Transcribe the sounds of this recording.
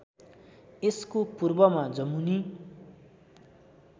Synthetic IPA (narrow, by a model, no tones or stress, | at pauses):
eskopurbʌmad͡zʌmuni